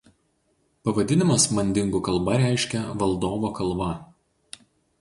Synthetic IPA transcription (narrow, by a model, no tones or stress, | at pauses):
pɐʋɐd̪ʲɪnʲɪmɐsmɐnʲd̪ʲɪŋɡuːˑkɐlˠbɐɾʲæˑɪʃʲkʲɛʋɐlˠd̪oːʋoːkɐlˠˑbɐ